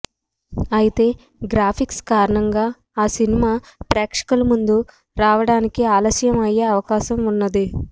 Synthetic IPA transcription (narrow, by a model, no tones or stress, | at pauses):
ɐjit̪e̞ː | ɡɾaːpʰikskaːɾɐɳɐŋɡaː | aːsinimaːpɾɛːkʂɐ̥kɐlɐmund̪u | ɾaːʋɐɽaːnikiaːlɐsjɐmɐjːeːɐʋɐkaːʃɐmunːɐd̪i